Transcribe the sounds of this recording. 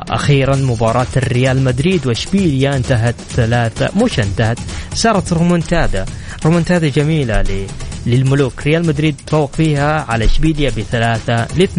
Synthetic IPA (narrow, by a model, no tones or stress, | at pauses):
ʔa̰xiːɾanmʊbɑːɾˤɑːt̪arːɪjaːlmad̪ɾiːd̪wɪʃbiːljaʔɪnt̪aɦat̪θalaːθa̰mʊʃaɪnt̪ahat̪sɑːɾˤɑt̪ɾˤʊmʊnt̪aːd̪a̰ | ɾˤʊmʊnt̪aːd̪ad͡ʒamiːlallɪlmʊluːkɾɪjaːlmad̪ɾiːd̪̚t̪fawːɪqfiːhaʕalaʃbiːljabɪθalaːθalɪθ